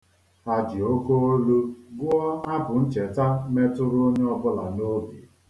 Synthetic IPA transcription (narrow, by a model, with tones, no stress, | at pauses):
a˨d͡ʒɪ˨o˦ko˦o˦lu˦ɡʊ˦ɔ˦a˦bʊ˨n̩˦t͡ʃe˨ta˦me˦tʊ˦ɾʊ˦o˦ɲe˦ɔ˦bʊ˦la˨no˦ɡe˨